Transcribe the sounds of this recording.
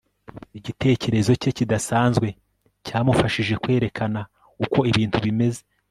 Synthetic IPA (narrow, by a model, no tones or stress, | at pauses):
iɟite̞ːce̞ɾe̞zo̞ce̞cidasaːnzɡwe̞ | caːmufaʃiʒe̞kwe̞ːɾe̞kʰana | uko̞iβiːntʰuβime̞ze̞